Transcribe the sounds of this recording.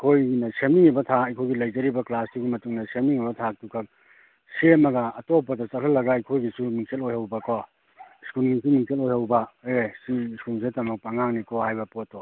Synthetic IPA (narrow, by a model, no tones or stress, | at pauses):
kʰojɡinɐsemiŋibɐtʰaɐjkʰojɡilɐjd͡ʒɐɾibɐklasdiɡimɐtuŋnɐsemiŋibɐtʰak̚tukʰɐk̚ | semɐɡɐːtopːɐdɐsɐlʰɐlːɐɡajkʰojɡisumiŋsʰelojhawbɐkɔ | skulmiŋsumiŋsʰelojhawbɐesiskuls̬etɐmɐk̚paŋaŋnikʰɔhajbɐpotːo